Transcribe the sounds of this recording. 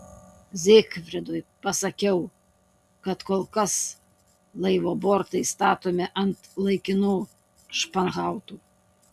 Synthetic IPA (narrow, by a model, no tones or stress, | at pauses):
zʲeːkfʲɾʲɛd̪ojpɐsɐkʲɛʊ | kɐt̪koːlˠkɐs | lˠɐɪʋoːboːɾt̪ɐɪst̪ɑːt̪oːmʲeʔɐnt̪lˠɐɪkʲɪnuː | ʃpɐnɣɑˑʊt̪uː